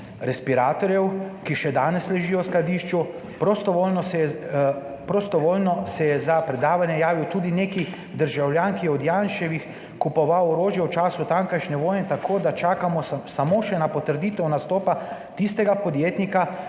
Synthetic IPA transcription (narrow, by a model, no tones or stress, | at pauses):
ɾɛspiɾaːt̪ɔɾjɛwkiʃɛd̪aːnɛslɛʒiːjɔwsklad̪iːʃt͡ʃu | pɾost̪ɔʋolnɔ | pɾɔst̪ɔʋoːlnɔsɛjɛzapɾɛd̪aːʋanjɛjaːʋiwt̪uːd̪ineːki | d̪əɾʒawlʲjaːnkijɛɔd̪janʃɛʋix | kupɔʋawɔɾoːʒjɛwt͡ʃaːsut̪aŋkajʃnɛʋoːjnɛt̪akʰoːd̪at͡ʃaːkamɔsamoʃɛnapɔt̪əɾd̪iːt̪ɛwnast̪oːpat̪ist̪ɛɡapɔd̪jeːt̪nika